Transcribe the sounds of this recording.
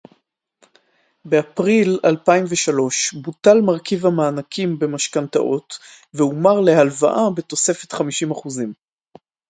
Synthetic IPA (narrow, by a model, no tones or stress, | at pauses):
beapʁilalpaimveʃalo̞ʃbutalmaʁkivhamaːnakʰimbe̞maʃkanta̰ʔo̞t | veumaʁle̞halva̰ʔabe̞to̞se̞fe̞t̪χamiʃimaχuzim